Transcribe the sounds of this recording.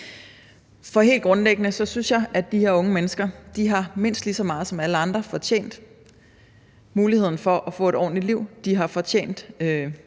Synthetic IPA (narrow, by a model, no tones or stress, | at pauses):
fɒ̽ɦe̝̰ːldɡ̥ʁɔ̽nleɡ̥ənəsɒ̽synsjɑ̈ɪʔæd̥ihe̝ɐɔ̽ŋəmenəsɡ̥ɐd̥iɦɑ̈me̝n̰sd̥lisɒ̽mɑ̈ːðˠsɒ̽mæləɑ̈nd̥ʁɐfɒ̽t͡ɕʰḛːn̰d̥ | muːlihe̝ð̰ˠn̩fɒ̽ʔæfɔ̰̽ːe̝ɾɒ̰ːnliliʊ̰d̥iɦɑ̈fɒ̽t͡ɕʰḛːn̰d̥ø